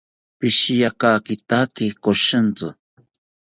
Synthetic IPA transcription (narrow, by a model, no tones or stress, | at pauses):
pɪʃijakaːkit̪akikoʃənt͡sɨ̰